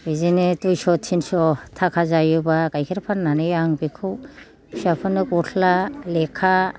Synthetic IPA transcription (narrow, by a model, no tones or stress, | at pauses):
bizinɯtujsɔtʰːinsɔtʰakʰazajubakajkʰiɾapʰanːanɯjaŋbikʰɯw | sapʰɯnɯkɔtʰlalekʰːa